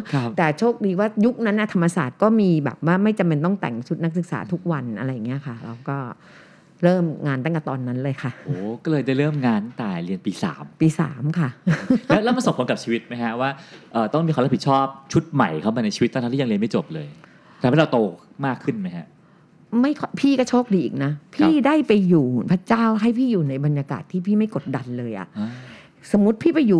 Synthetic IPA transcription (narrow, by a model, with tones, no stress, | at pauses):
kʰt̪ɛː˨˩t͡ɕʰoː˥˩k̚diː˧waː˥˩ju˦˥k̚na˦˥nːa˥˩t̪ʰa˧mːa˧sa̰ː˨˩t̪̚kɔː˥˩miː˧bɛ̰ː˨˩p̚waː˥˩ma˥˩jt͡ɕa˧mpe˧nt̪ɔ˥˩ŋt̪ɛ̰˨˩ŋt͡ɕʰu˦˥t̪̚na˥k̚sɯ˨˩k̚sa̰ː˩˦t̪ʰu˦˥k̚wa˧nʔa̰˧ɾa˧ja˨˩ŋːi˦˥ɐ˩kʰa˥˩ɾa̰˧wkɔː˥˩ | ɾɤː˥˩mŋaː˧nt̪aː˥˩ŋka˨˩t̪ɔː˧nːa˦˥nlɤː˧jkʰa˥˩ʔoː˨˩kɔː˥˩lɤː˧jda˥˩jɾɤː˥˩mŋaː˧nt̪aː˨˩jli˧ənpiː˧sa̰ː˩˦mpiː˧sa̰ː˩˦mkʰa˥˩lɛ˦˥wlːma˧nso˨˩pʰka˨p̚t͡ɕʰiː˧wi˦˥t̪̚ma˦˥jkʰa˦˥waː˥˩ʔɤː˨˩t̪ɔ˥˩ŋmi˧kʰa˧la˦˥pi˨˩t̪̚t͡ɕʰɔː˥˩p̚t͡ɕʰu˦˥t̪̚ma̰˨˩jkʰa˥˩wmaː˧na˧jt͡ɕʰi˧i˦t̪ʰːa˧˦i˥˩a˧li˧ma˥˩jt͡ɕo˨˩p̚lɤː˧j̪ʰ | ma˥˩ɾa˧wt̪oː˧ | maː˥˩kʰːɯ˥˩nma˦˥jkʰa̰˦˥ʔ | ma˥˩jkʰɔ˧˥˩pʰiː˥˩kɔ˥˩t͡ɕʰoː˦˥˩k̚diː˧ʔiː˨˩k̚na˦˥pʰiː˧˥˩daː˥˩jpa˧jːuː˨˩pʰɾa˦˥t͡ɕaː˥˩wɦa˥˩jpʰiː˥˩juː˨˩na˧jba˧nja˧ka̰ː˨˩t̪ʰːiː˥˩pʰiː˥˩ma˥˩jko˨˩t̪̚da˧nlɤː˧jʔa̰˨˩ʔ | so˩˦mːu˦˥t̪̚pʰiː˥˩pa˧jjuː˨˩